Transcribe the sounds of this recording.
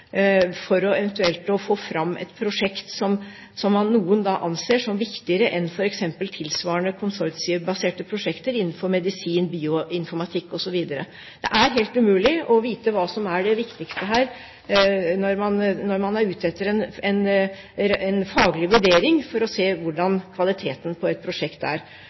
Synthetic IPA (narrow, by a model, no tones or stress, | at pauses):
fɔɾɔɛʋɛnt̪ʉɛlt̪ɔfoːfɾɑmːʔɛ̰t̪pʰɾʊʂɛkt̪sɔm | sɔmːɑnːuːənd̪ɑʔɑnseːʂɔmʋɪkt̪ɪəɾəʔɛnfɔɾɛksɛmpəlt̪ʰɪlsʋɑːəɳəkʰʊnsɔɾsɪəbɑseːʈəpʰɾʊʂɛkt̪əɾɪnːn̩fɔɾmɛd̪ɪsiːnbiːʊɪnfɔɾmɑt̪ʰɪkːɔsɔʋiːd̪əɾə̰ | d̪̥ɛ̰ʔæɾɦeːlt̪ʉmʉːlɪɔʋiːt̪əʋɑːsɔmæɖɛʋɪkt̪ɪkst̪əɦæːɾ | nɔɾmɑnnɔɾmɑnɑɾʉːt̪ʰɛt̪ːəɾɛnɛn | ɛnfɑːɡlɪʋʉɖeːɾɪŋfɔɾɔseːʋʊɖɑnkʰʋɑlɪt̪ʰeːt̪ənpʰɔɛt̪̚pʰɾʊʂɛkt̪æ̰ɾ